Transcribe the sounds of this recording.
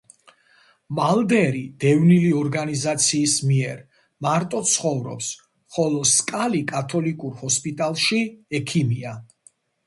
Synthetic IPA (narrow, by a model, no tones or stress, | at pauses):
malˠd̪ɛɾid̪̥ɛvniliɔɾɡanizat̪sʰiːsmiɛɾ | maɾt̪ʼɔt̪sʰχɔvɾɔ̰ps | χɔlˠɔskʼalikʼat̪ʰɔlikʼuɾhɔspʼit̪ʼalˠʃiɛkʰimia